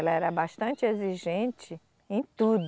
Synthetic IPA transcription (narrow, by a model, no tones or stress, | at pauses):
ɛlɐɛɾɐbaʃt̪ɐ̃nt͡ʃɪeziʒẽnt͡ʃɪ | ẽj̃t̪ud̪